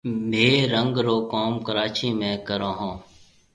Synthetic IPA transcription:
bʱeːɾəŋɡɾoːkoːmkəɾaːt͡ʃiːmẽːkəɾõːɦõː

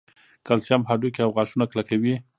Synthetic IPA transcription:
kalsamɦɑɖujkeawɣɑʃunaklakawi

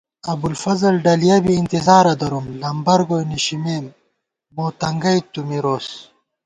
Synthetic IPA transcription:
ɐbulfɐzɐlɖɐlijɐbiːnt̪izaːɾɐd̪ɐɾumlɐmbɐɾɡojniɕimeːm | boːt̪ɐŋɡɐjt̪umiɾoːs

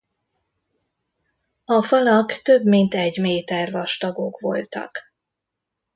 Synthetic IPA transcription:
ɒfɒlɒkt̪ø̞bmint̪ɛɟmeːt̪ɛrvɒʃt̪ɒɡo̞kʋo̞lt̪ɒ̰k

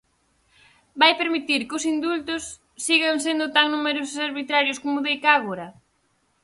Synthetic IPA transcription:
bajpeɾmit̪iɾkʊsind̪ult̪ʊsː | iɣaŋs̬end̪ʊt̪aŋnumeɾosʊsaɾβit̪ɾaɾjʊskomʊðejkaɣoɾɐ

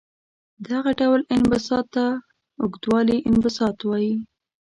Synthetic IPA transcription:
d̪aɣaɖawlɪnbasɑt̪ːa | ʊɡd̪wɑliʔɪnbɪsɑt̪wɑji

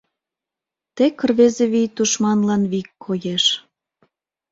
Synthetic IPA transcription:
t̪ekərβezeβijt̪uʃmɑnlɑnβikʰːojeʃ

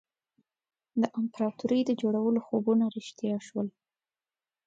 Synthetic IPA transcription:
d̪əʔɪmpɾɑt̪uɾəjd̪əd͡ʒoɽawəloxobunaɾɪʃt̪jɑʃwəl

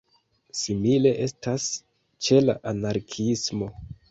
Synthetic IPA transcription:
simile̞ʔe̞stas | t͡ʃe̞la̰ʔanaɾkʰismo̞

